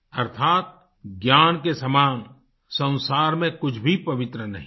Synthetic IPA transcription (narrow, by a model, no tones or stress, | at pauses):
ɐɾt̪ʰaːt̪̚ | ɡjaːnkesɐmaːn | sɐ̃w̃saːɾmẽkʊt͡ʃʰbʱipɐʋɪt̪ɾənɐɦĩ